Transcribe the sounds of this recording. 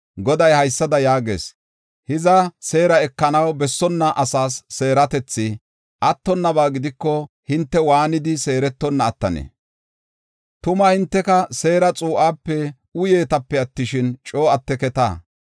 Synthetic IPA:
ɡɔd̪ɐjhɐjsːɐd̪ɐjaːɡḛːs | hɪzɐse̞ːɾɐɛkːɐnɐwbɛsːɔnːɐʔɐsaːsːe̞ːɾɐt̪ɛt͡sːɪ | ʔɐt̪ːɔnːɐbaːɡɪd̪ɪkːɔ | hɪnt̪ːɛwaːnɪd̪ɪse̞ːɾɛt̪ːɔnːɐːt̪ːɐ̰nḛː | t̪ʊmɐhɪnt̪ːɛkɐse̞ːɾɐt͡sʼuːʔaːpːɛ | ʊje̞ːt̪ɐpːɛɐt̪ːɪʃɪnt͡ʃʼo̞ːɐt̪ːɛkɛt̪a̰ː

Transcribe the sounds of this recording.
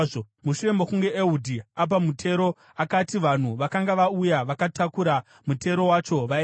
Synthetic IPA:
o | muʃuɾe̞mokuŋɡe̞ʔeudʱiap̬amutʰe̞ɾo̞ | akatiʋan̤uʋakaŋɡaʋaujaʋakatʰakuɾa | mutʰe̞ɾo̞wat͡ʃo̞ʋa

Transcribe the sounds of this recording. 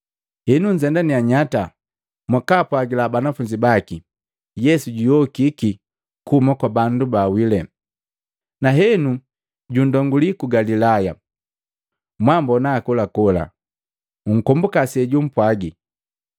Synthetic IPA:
hɛnuɲd͡ʒɛndaniaɲata | mwakapwaɡilabanafuɲd͡ʒibaki | jɛsuɟujɔkiki | kumakwabandubawilɛ | naɦɛnu | ɟundɔŋɡulikuɡalilaja | mwambɔnaːkulakɔla̰ | uŋ̩kɔmbukasɛɟum̩pwaɡi

